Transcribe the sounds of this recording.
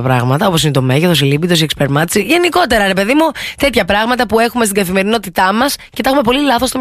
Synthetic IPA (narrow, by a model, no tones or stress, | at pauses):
pɾɐɣmɐt̪ɐo̞poinet̪o̞me̞ʝeθosilibit̪o̞siekspeɾmɐt̪isiʝe̞niko̞t̪e̞ɾɐɾe̞pe̞ðimut̪e̞t̪çɐpɾɐɣmɐt̪ɐpue̞xumest̪iɡɐθime̞ɾino̞t̪it̪ɐmɐscet̪ɐxume̞po̞lilɐθost̪om